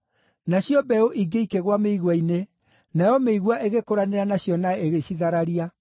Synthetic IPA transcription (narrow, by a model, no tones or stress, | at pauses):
naɕjɔbɛoʔiɡeikeɣwameiɣwaine | najɔmeiɣwaʔeɣekoɾaneɾanaɕjɔnaeɣeɕiðaɾaɾia